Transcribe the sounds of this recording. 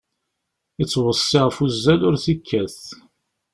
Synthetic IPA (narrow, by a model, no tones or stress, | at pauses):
it͡sːwəsˤːɪʁfuzːælʊɾθikːæθ